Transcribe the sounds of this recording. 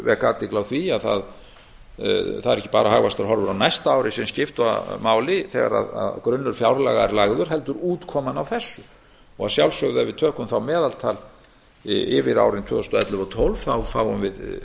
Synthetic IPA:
vɛkaːt̪ɪklawθviaðθa̰ð | θaðɛɾɛhcːɪ̥pa̰ːɾaɦaɣvast̪aɾɦɔɾvʏɾawnajst̪aaːwɾɪsɛmscɪft̪va̰maːwlɪθɛɣa̰ɾa̰ða̰ðkɾʏnːʏɾ̥fjawɾla̰ɣaɛɾlaɣðʏɾ̥ɦɛlt̪ʏɾuːt̪kʰɔːmanawθɛsːʏ | ɔɣaðsjawlsœɣðavɪðt̪ʰœːhkʏmθawmɛːðalt̪ʰaːl | ɪvɪɾa̰ːwɾɪnt̪ʰvœːθʏst̪ɔɛt̪lʏvɔt̪ʰɔlv̥θawfaːwʏnvɪð

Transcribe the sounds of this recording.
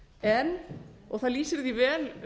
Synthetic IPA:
ɛnɔɣθaðliːsɪɾðivɛːl

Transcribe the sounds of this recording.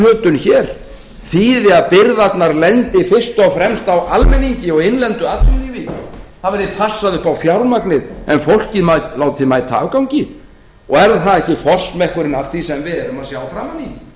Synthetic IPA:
œːt̪ʏnçɛɾ̥ | θiːðɪaðpɪɾðat̪naɾlɛnt̪ɪfɪr̥st̪ɔfɾɛmst̪awʔalmɛniɲcɪɔɣejnlɛnt̪ʏat̪lɪðivɪθavɛɾðɪpʰasːaðʏhpawfjawlmaknɪðɛnfowl̥cɪmalaːwt̪ʰɪmajt̪ʰa̰ːvkawɲcɪ | ɔɛɾðθaðɛhcɪfɔl̥smɛhkʏɾɪnaθisɛmvɪðɛɾʏmaðsjaːwfɾaːmani

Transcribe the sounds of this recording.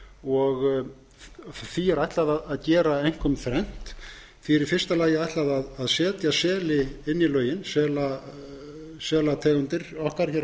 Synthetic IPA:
ɔɣ | θiɛɾajht̪laðaðaðcɛːɾaejŋ̥kʰɔmθɾɛn̥t̪ | fɪɾɪɾ̥fɪrst̪alaːjɪajht̪laðaðaðsɛːt̪jasɛːlɪɪnːilœːɥjɪnsɛːla | sɛːlat̪ʰɛːɣʏnt̪ɪɾ̥ɔhkaɾ̥çɛɾ

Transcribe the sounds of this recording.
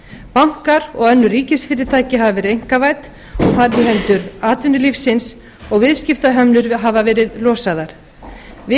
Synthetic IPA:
pawŋ̥kaɾɔɣɛnːʏriːcɪsfɪːɾɪɾt̪ʰaːjcɪɦavavɛːɾejŋ̥kavajt̪ | ɔɣθaɾvɪɦɛlt̪ʏɾaːt̪vɪnːʏlifsɪns | ɔɣvɪðscɪft̪aɦɛmlʏɾɦaːvavɛːɾɪðlɔːsaðaɾ̥ | vɪ

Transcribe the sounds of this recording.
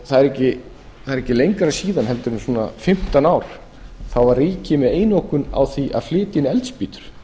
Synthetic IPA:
θaðɛɾɛcːɪ | θaðɛɾɛcːɪlejŋkɾasiːðanhɛlt̪ʏɾʏmsuːna̰fɪm̥t̪anawɾ̥ | θawvarriːcɪmɛðeːjnowhkʏna̰wθviʔa̰ðflɪːt̪ɪnɪɛlt̪spiːt̪ʏ̥ɾ̥

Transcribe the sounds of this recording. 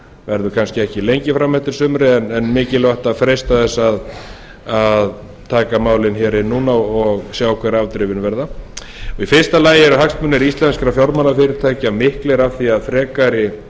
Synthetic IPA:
vɛɾðʏkʰanscɪɛhcɪlejɲcɪfɾamɛht̪ɪɾ̥sʏmɾɪɛnɛnmɪːcɪlvaht̪aðfɾejst̪aθɛsːað | að | t̪ʰaːkamaːwlɪnçɛːɾɪnːuːnaɔɣsjaːwɔkʰvɛːɾɪavt̪ɾɪvɪnvɛɾða | ɔifɪ̥st̪alaːjɪɛɾʏɦakst̪mʏnːɛɾist̪lɛnskaɾafjaɾmanafɪɾɪɾt̪ʰaːjcamɪhklɛɾavθiaðfɾɛːkaɾɪ

